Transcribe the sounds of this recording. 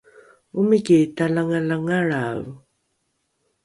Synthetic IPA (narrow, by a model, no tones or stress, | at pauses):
ʊmɪkit̪alaŋalaŋaɻaw